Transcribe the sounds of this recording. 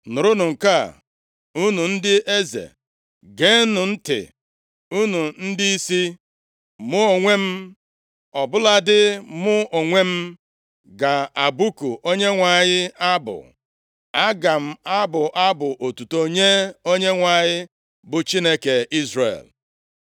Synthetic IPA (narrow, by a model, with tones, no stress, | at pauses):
nʊ˨ɾʊ˦nʊ˨ŋ̩˨ka̰˦˨ | u˦nu˨n̩˦dɪ˦ʔe˦zḛ˨ | ɡe˦nʊ˨n̩˦tɪ̰˨ | u˦nu˨n̩˦di˦i˦si˦ | mʊ˦o˨ŋʷe˦m̩˦ | ɔ˨bʊ˦la˦dɪ˦mʊ˦o˨ŋʷe˦m̩˦ | ɡa˨a˨bu˦ku˨ʔo˦ɲe˦ŋʷa˨ɲɪ˦a˦bʊ̰˨ | a˦ɡa˨m̩˦a˦bʊ˨ʔa˦bʊ˨ʔo˨tu˨to˦ɲe˦o˦ɲe˦ŋʷa˨ɲɪ˦ | bʊ˨t͡ʃi˦ne˦ke˨i˦zrḛ˨l